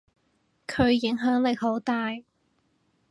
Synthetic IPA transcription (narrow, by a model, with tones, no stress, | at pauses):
kʰɵ˨˧ɥjɪ˨˥ŋɦœː˨˥ŋlɪ˨k̚ho˨˥wt̪aː˨˧j